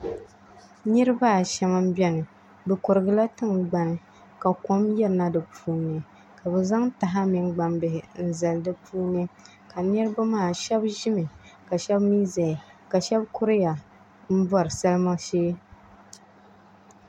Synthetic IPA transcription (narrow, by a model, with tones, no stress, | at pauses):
nɨ˦ɾɨ˦ba˦˨ʃɛ˨ma˦m̩˦bɛ˦nɨ˨ | bɨ˨kʊ˨ɾɨ˨ɡɨ˦la˦tɨ˦ŋɡ͡ba˨nɨ˦ | ka˨ko˦mjɛ˦ɾɨ˨na˦dɨ˨pʰuː˦nɨ˨ | ka˨bɛ˨za˦ŋta˨ɦa˦mi˨ŋɡ͡ba˨mbɨ˨hɪ˨n̩˦za˨ldɨ˦pʰuː˦nɨ˦ | ka˨nɨ˦ɾɨ˦ba˦maː˦˨ʃɛ˦bʒi˦mɨ˨ka˨ʃɛ˦bmi˦za˨ka˨ʃɛ˦bkʊ˦ɾɪ˦ja˨ | m̩˦bɔ˦ɾɨ˨sa˦lma˦ʃeː˦